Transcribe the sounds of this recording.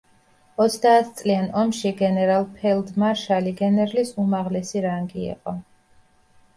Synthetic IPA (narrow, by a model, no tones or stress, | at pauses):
ɔt̪sʰd̪aːt̪ʰt̪sʼlianɔmʃiɡɛnɛɾalˠpʰɛlˠd̪maɾʃaliɡɛnɛɾlisumaʁlɛsiɾaŋɡiḭqʼɔ